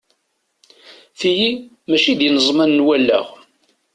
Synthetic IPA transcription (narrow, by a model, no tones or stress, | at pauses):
θiji | mæʃid̪jənəzˤmænːwælːæ̰ʁ